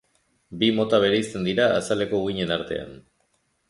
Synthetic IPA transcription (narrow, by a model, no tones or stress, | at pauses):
bimo̞t̪aβ̞e̞ɾeist̪e̞nd̪iɾaːsale̞ko̞uiɲe̞naɾt̪e̞̰a̰n